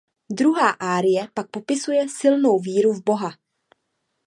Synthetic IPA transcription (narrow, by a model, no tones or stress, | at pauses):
dɾuɦaːʔaːɾɪjɛpak̚po̞pɪsujɛsɪlno̞wviːɾuvbo̞ɦa